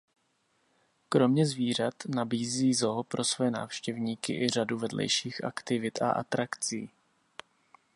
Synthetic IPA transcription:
kɾo̞mɲɛzviːr̝at̪nabiːziːzoɦpɾo̞svojɛna̰ːfʃcɛvɲiːkɪʔɪr̝aduvɛdlɛ̰jʃiːxʔa̰kt̪ɪvɪt̪a̰ʔa̰t̪ɾakt͡siː

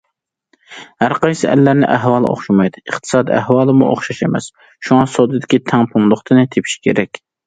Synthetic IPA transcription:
hæɾqɑjsɪæ̰lːæɾnɪ̰ʔæɦwɑːlˠɨ̰ʔo̰χʃimɑjd̪ɨɨχt̪ʰɨ̥sɑːd̪iæhwɑːlˠɨmṵʔo̰χʃɑʃemɛ̰s | ʃuŋɑsod̪ɨd̪ɪkʲit̪ʰɛŋpʰunlˠʊχt̪ʰɨnɨt̪ʰepʰi̥ʃi̥kʲʰḛɾɛkʲ

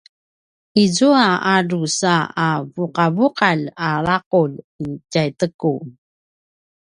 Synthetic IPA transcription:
izuaaɾusaavuqavuqalaɭaqul | icajtəku

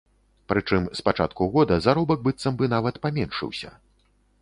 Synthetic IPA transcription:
pɾɨt͡ʂɨmspat͡ʂa̰t̪kuɣɔd̪ɐzaɾɔbɐk̚bɨt̪sɐmbɨnavɐt̪pamʲɛnʂɨ̰wsʲɐ̰

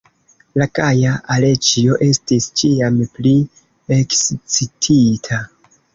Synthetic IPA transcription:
lakajaalet͡ʃio̞ʔe̞stist͡ʃiampli | ekst͡sitʰitʰa

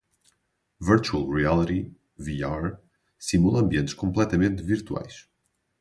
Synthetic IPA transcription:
viɾt͡ʃualˠʁialˠiɾi | viaɾ | simulˠɐɐ̃mbiẽnt̪ʃkõmplˠɛt̪ɐmẽnt̪viɾt̪wa̰jʃ

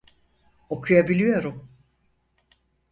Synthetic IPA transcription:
o̞kʰujabilʲijo̞ɾum

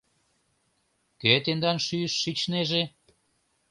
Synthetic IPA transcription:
ket̪end̪ɑnʃyəʃːit͡ɕneʒe

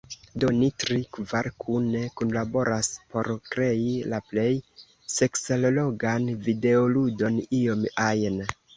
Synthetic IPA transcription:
do̞nitɾikvaɾkʰunekunlabo̞ɾaspo̞ɾkɾe̞ilaple̞j | se̞kselolo̞ɡanvide̞oludo̞nio̞majn

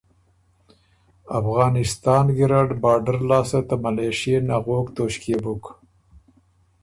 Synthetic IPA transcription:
afɣɑːnɪst̪ɑːnɡiɾaɖbɑːɖəɾlɑːsat̪amaleʃenaɣoːkt̪oːʃkebuk

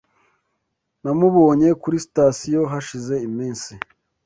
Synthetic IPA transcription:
namuβo̞ːɲe̞kuɾisi̥tasijo̞ɦaʃize̞imiːnsi

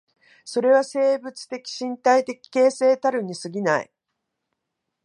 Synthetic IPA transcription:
so̞ɾe̞β̞ase̞ːbɯ̟t͡sɨ̥t̪e̞kʲi̥ɕĩnt̪ait̪e̞kʲi̥ke̞ːse̞ːt̪aɾɯ̟ɲ̟ːisɨɡʲinaḭ

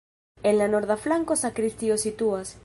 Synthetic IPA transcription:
enlanoɾðaflaŋkosakɾist̪iosit̪uas

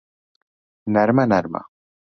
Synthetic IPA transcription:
naɾmanaɾma̰

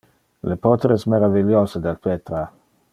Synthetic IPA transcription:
lepot̪ɾɛsmeɾaviljozed̪elpet̪ɾa

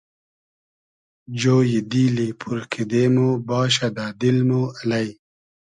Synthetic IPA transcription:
d͡ʑoːjid̪iːlipʰuɾkʰid̪eːmoːbɑːɕ̬ad̪aːd̪ilmualaj

